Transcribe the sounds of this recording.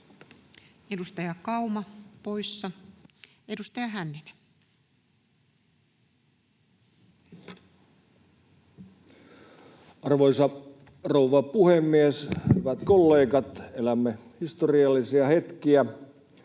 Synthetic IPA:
edust̪ɑjɑkɑumɑpoisːɑ | edust̪ɑjɑɦænːinæ | ɑrʋoisɑ | rouʋɑpuhemːieshyʋæt̪kolːeːɡɑt̪elæmːehist̪oriɑlːisiɑhet̪kiæ

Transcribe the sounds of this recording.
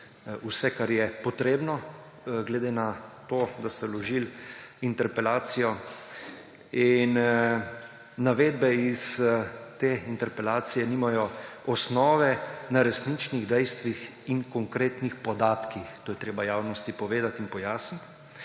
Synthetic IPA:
usɛkaɾjɛpɔt̪ɾeːbnɔ | ɡlɛd̪enat̪oːd̪ast̪ɛlɔʒilint̪ɛɾpɛlaːt̪sijɔ | in | aʋeːd̪̚bɛist̪eːint̪ɛɾpɛlaːt̪sijɛniːmajɔɔsnɔːʋɛnaɾɛsnit͡ʃniɣd̪ɛjst̪ʋix | iŋkɔŋkɾeːt̪nixpɔd̪aːt̪kixt̪oːjɛt̪ɾeːbajaːwnɔst̪ipɔʋeːd̪at̪inpɔjaːsnit̪

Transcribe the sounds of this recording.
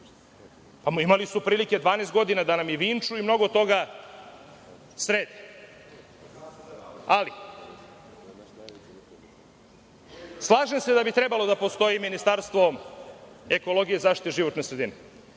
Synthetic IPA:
pamimalisupɾiːlike̞d̪ʋaːnest̪ɡo̞d̪inad̪anamjeʋiːnt͡ʃuimno̞ɡo̞t̪o̞ɡa | sɾeːd̪i | ali | slˠaːʒemse̞d̪abit̪ɾe̞balo̞d̪apo̞st̪o̞jiminist̪aɾst̪ʋo̞ | e̞ko̞lˠo̞ɡijezaːʃt̪it̪eʒiʋo̞t̪nesɾe̞d̪ine

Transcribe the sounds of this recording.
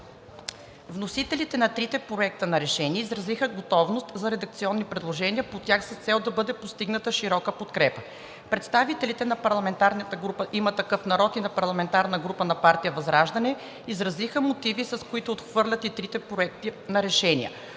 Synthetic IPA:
vnosit̪ɛlit̪ɛnɐt̪ɾit̪ɛpɾoɛk̚t̪ənɐɾɛʃɛniɛizɾɐzixəɡot̪ɔvnost̪zɐɾɛd̪ɐk̚t̪siɔnːipɾɛd̪lˠoʒɛniəpot̪ʲjaxsɐst̪sɛlˠd̪ɐbɤd̪ɛpost̪iɡnət̪əʃiɾɔkəpot̪kɾɛpə | pɾɛt̪st̪avit̪ɛlit̪ɛnɐpɐɾlˠɐmɛnt̪aɾnət̪əɡɾupəʔimət̪ɐkɤfnɐɾɔt̪inɐpɐɾlˠɐmɛnt̪aɾnəɡɾupənɐpaɾt̪ijəvɐzɾaʒd̪ɐnɛ | izɾɐzixəmot̪ivisɐskoit̪ʊːt̪xvɤɾlʲɐt̪it̪ɾit̪ɛpɾoɛk̚t̪inɐɾɛʃɛnḭə̰

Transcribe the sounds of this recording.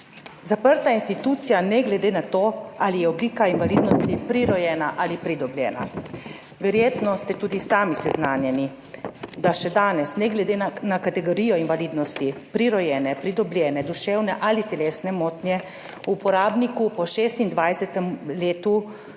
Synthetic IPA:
zapəɾt̪ainst̪it̪uːt̪sijanɛɡlɛd̪eːnat̪oːalijɛɔbliːkainʋaliːd̪nɔst̪ipɾiɾɔjɛːnaʔalipɾid̪ɔblʲjɛ̰ːna̰ | ʋɛɾjeːt̪nɔst̪ɛt̪uːd̪isaːmisɛznaːnjɛni | d̪aʃɛd̪aːnɛsnɛɡlɛd̪eːnnakat̪ɛɡoɾiːjɔinʋaliːd̪nɔst̪ipɾiɾɔjɛːnɛpɾid̪ɔblʲjɛːnɛd̪uʃeːwnɛʔalit̪ɛleːsnɛmoːt̪njɛ | uːpɔɾaːbnikupɔʃeːst̪ind̪ʋajsɛt̪ɛmleːt̪u

